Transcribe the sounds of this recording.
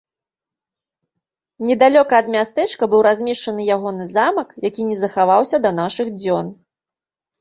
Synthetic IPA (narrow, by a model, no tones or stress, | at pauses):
nʲɛd̪alʲɔkɐɐd̪mʲast̪ɛt͡ʂkɐbɨwɾazʲmʲɛʂt͡ʂɐnɨjaɣɔnɨzamɐkjakʲinʲɛzɐxavawsʲɐd̪ɐnaʂɨɣd͡zʲɔn